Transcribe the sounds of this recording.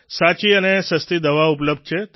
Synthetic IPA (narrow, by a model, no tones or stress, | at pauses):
sat͡ʃiənesəst̪id̪əʋaupləb̚d̪̚t͡ʃʰet̪